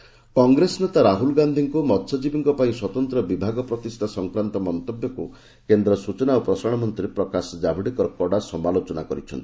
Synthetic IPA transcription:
kɔŋɡɾesɔnet̪aɾaɦulɡand̪ʱiŋkumɔt̪sɔd͡ʒibiŋkɔpaĩswɔt̪ɔnt̪ɾɔbibʱaɡɔpɾɔt̪ist̪ʰasɔŋkɾant̪ɔmɔnt̪objɔku | kend̪ɾɔsut͡ʃɔnaopɾɔsaɽ̃ɔmɔnt̪ɾiɾepɾɔkasɔd͡ʒabʱiɽikɔɾɔkɔɽasɔmalot͡ʃɔnakɔɾit͡ʃʰɔ̰nt̪ii̥

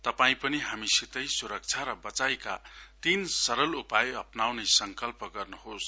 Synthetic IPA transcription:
t̪ʌpaĩpʌniɦamisit̪ʌjsuɾʌk̚t͡sʰaɾʌbʌt͡sajka̰t̪insʌɾʌlupajʌpnawnʌsʌŋkʌlpʌɡʌrnuɦos

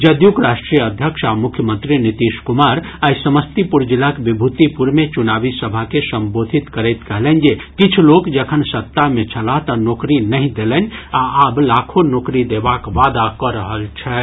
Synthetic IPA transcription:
d͡ʒəd̪jukɾaːʃʈɾijəəd̪ʱjəkʃamʊkʰjəmə̃nt̪ɾinit̪iːʃkumaːɾasəməst̪ipuɾd͡ʒilakbɪbʱut̪ipuɾmet͡ʃunaːbisəbʱakesə̃mboːd̪ʱit̪kəɾɛɪt̪kəɦlɛnd͡ʒekɪt͡ʃʰlokd͡ʒekʰənsɐt̪ːamẽt͡ʃʰəlat̪ɔnoːkɾinəɦĩd̪elənaaːblaːkʰonoːkɾid̪eːbakʋaːd̪akɔɾəɦəlt͡ʃʰɛ

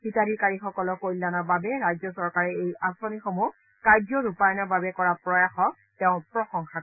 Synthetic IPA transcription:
bitaɹikaɹixɔkɔlɔkoilːanababɛɹajzɔsɔɹkaɹɛejasɔnixomu | kaɹd͡ʒɔɹupajɔnɔbabɛkɔɹapɹɔjaxɔ | tɛʊ̃pɹɔxɔŋxa

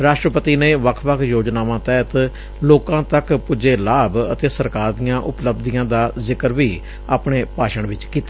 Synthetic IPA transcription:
ɾaːʃʈɾəpət̪iːneːʋəkʰʋəkʰjoːd͡ʒnaːʋãːt̪ɛːt̪ | loːkãːt̪əkpʊd͡ʒeːlaːbət̪eːsəɾkaːɾd̪ijãːʔʊpləbd̪ijãːd̪aːzɪkəɾʋiː | aːpɳeːpaːʃəɳʋɪt͡ʃkiːt̪a

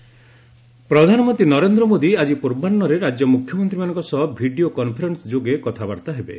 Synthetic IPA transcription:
pɾɔd̪ʱanɔmɔnt̪ɾinɔɾend̪ɾɔmod̪iad͡ʒipuɾbanːɔɾeɾad͡ʒjɔmukʰjɔmɔnt̪ɾimanɔ̃ŋkɔsɔɦbʱiɖiokɔnpʰɔɾensd͡ʒoɡekɔt̪ʰabaɾt̪aɦebḛ

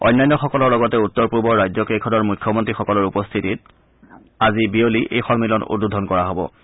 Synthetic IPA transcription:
ɔ̰jnːajnːɔxɔkɔlɔɹlɔɡɔtɛutːɔɹpuɹbɔɹɹajzɔkejkʰɔdɔɹmujkʰːjɔmɔntɹixɔkɔlɔɹupɔst̪ʰitit̚ | azibioliʔejxɔnmilɔnṵdudʱɔnkɔɹaɦobɔ̰

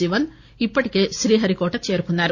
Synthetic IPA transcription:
iʋɐn | ipːɐʈike̞ʃɾiːɦɐɾikoːʈɐt͡ʃeːɾukunːaːɾu

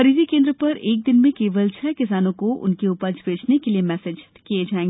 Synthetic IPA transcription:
ɐɾiːd͡ʒikẽːnd̪ɾəpɐɾeːk̚d̪ɪnmẽkeːʋəlt͡ʃʰɛːkɪsaːnõkoʔʊ̰nkeʊpəd͡ʒbeːt͡ʃnekeliemɛːseːd͡ʒ | kijed͡ʒaːẽːŋɡeː

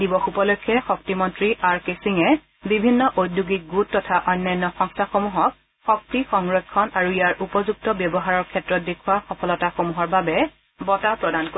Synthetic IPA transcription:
dibɔxupɔlɔjkʰːɛxɔk̚timɔntɹiʔaɹkesiŋɛ | bibʱinːɔʔojdjuɡik̚ɡutːɔtʰaʔɔjnːajnːɔxɔŋstʰaxomuɦɔk̚ | xɔk̚tixɔŋɹɔkʰːɔnaɹuijaɹʔupɔzuk̚tɔbjɔbɔɦaɹɔɹkʰɛtɹɔt̚dekʰuwaxɔpʰɔlɔtaxomuɦɔɹbabɛ | bɔtapɹɔdanko

